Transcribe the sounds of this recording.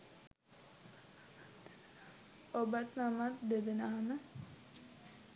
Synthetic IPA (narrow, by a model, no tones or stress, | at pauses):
obat̪namat̪̚d̪ed̪enaɦamə